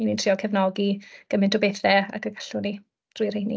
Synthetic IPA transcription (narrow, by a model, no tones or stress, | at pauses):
inintʰriːɔkʰɛvnɔɡiɡ̥əmɪntʰʊbejθɛa̰ɡərɡaɬʊni | d̥ruːjr̥ejnḭ